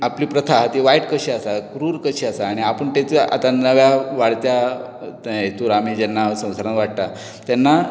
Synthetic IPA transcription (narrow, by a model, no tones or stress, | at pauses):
apliːpɾət̪ʰaɦt̪iʋaiʈkəɕiasakɾuːɾkəɕiasaːɽ̃iapəɳt̪et͡sa̰t̪anəʋjaʋaɽt̪ja | et̪uɾamiːd͡ʑɛnːasə̃w̃saɾãnʋaɽt̪a | t̪anːa